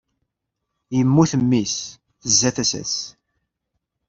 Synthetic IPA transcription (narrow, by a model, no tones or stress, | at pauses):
jəmːuθəmːis | θəzːæθæsæ̰s